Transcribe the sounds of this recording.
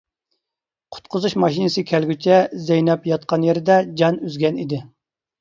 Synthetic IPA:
qʰʊ̥t̪̚qʰʊzuʃmɑʃinɨsɨkʲʰælɡʲyt͡ʃʰɛzɛjnɛpjɑt̪̚qɑnjeɾɪd̪ɛd͡ʒɑnyzɡʲɛnid̪ɪ

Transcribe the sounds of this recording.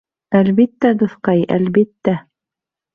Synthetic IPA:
ælβit̪ːæd̪ŏθqɑjæ̰lβbit̪ːæ

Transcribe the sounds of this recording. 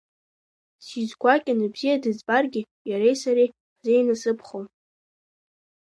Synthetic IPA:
sizɡʷakʲʼɪnɨbzijadɨzbarɡʲɪ | jaɾejsaɾej | ħzejnasɨpʰχow

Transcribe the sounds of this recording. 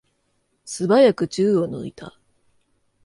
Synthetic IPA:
sɨbajakɯ̟t͡ɕɨːono̰it̪ʰa̰

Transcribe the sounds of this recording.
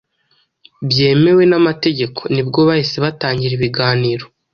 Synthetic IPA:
bje̞ːme̞we̞namate̞ɟe̞kʰo̞nibɡo̞βahiseβataːɲɟiɾiβiɡaːniːɾo̞

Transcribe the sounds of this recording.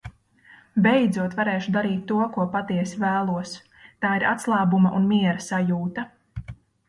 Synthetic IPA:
bɛjd̪zuɔt̪vaɾeːʃud̪aɾiːt̪ːuɔkuɔpat̪iɛsivæːlˠuɔs | t̪aːiɾʔat̪slˠaːbumaʔunmiɛɾasajuːt̪ɐ

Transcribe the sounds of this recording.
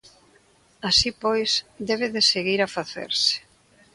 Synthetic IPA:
asipojsd̪ɛβ̞eðeseɣiɾafaθḛɾsɪ̥

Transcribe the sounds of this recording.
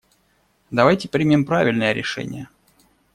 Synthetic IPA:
d̪ɐvajtʲɪpɾʲimʲimpɾavʲɪlʲnəjəɾʲɪʂɛ̰nʲɪ̰jə

